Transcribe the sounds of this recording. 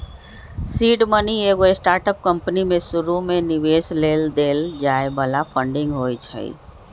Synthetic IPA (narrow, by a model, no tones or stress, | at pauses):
siːɖmənieːɡoesʈaːɾʈəp̚kə̃mpənimẽsʊɾumẽnɪʋeːsleːld̪eːld͡ʒaːebaːlapʰə̃ɳɖɪ̃ŋɡɦoːit͡ʃʰə̰ḭ